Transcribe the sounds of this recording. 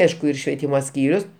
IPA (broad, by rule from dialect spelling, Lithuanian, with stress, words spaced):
ˈɐɪʃkʊ ɪr ʃʲʋʲiɛˈtʲiːmoː ˈsʲkʲiːrʲʊs